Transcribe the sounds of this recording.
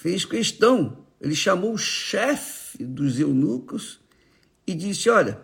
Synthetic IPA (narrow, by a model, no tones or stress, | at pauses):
fejskeʃt̪ɐ̃w̃ | ḛlɪʃamowʃɛfɪd̪ʊzewnukʊs | ɪd͡ʒisɪɔʎɐ̰